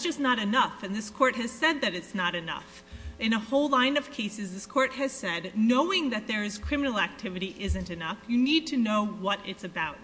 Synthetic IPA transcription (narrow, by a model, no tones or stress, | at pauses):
d̥ʒ̥ʌsⁿnəɾɨnʌfɨ̃nðɪskʰɔɹt̚ɦɨz̥sɛd̪̚ðɨɾɨtsnəɾɨnʌ̰f | ɨ̃nəhoʊlˠãɪ̃nʌv̥kʰeɪsɨzðɪskʰɔɹt̚hɨz̥sɛdⁿnoʊɪ̃ŋðɨt̪̚ðə˞ɨz̥kʰɹ̥ɪ̃mənl̩ˠæk̚tʰɪvɨɾiʔɪzɨ̃ntɨnʌfjɨnid̚tʰɨnoʊwʌɾɪtsɨbaʊt̚